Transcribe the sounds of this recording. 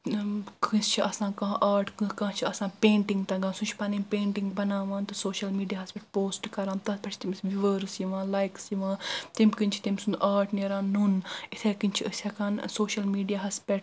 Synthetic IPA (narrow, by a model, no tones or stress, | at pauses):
kʰɨst͡ʃʰiʔɐsãːkɐ̃ɦʔaːɾʈkkãːt͡ʃʰiɐsãːpẽːɳʈiŋɡt̪ɐɡaːnsũnt͡ʃʰi̥pɐnimpẽːɳʈiŋɡbɐnaːʋãːnt̪ɐsoːʃɐlmiːɖijaːɦɐspʲeʈ̚poːsʈkɐɾãːmt̪ɐt̪pʰɐt͡ʃʰt̪imsʋiʋəːɾsjiʋãːlaːjksiʋãːt̪imʲkɨnʲt͡ʃʰi̥t̪imsund̪ʔaːʈneːɾãːnːunit̪ʰeːkinʲt͡ʃʰiəsʲɐkaːnsoːʃɐlmiːɖijaːɦɐspʲeʈ